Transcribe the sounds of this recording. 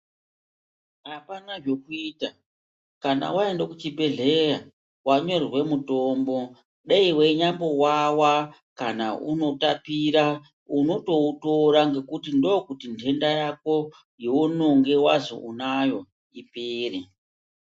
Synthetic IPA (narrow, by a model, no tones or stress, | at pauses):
ɦapanaʐo̞kuiːta | kana̰waendokut͡ʃibʱe̞ɮe̞ra | waɲo̞rrwe̞muto̞mbo̞ | ɗeiwe̞ɲambo̞wawa | kana̰ṵno̞tapiɾa | uno̞to̞uto̞ɾaŋɡe̞kutindo̞kutindʱe̞ndajako̞ | jeunoŋɡe̞wazo̞̰ʔunajo̞ | ipeːre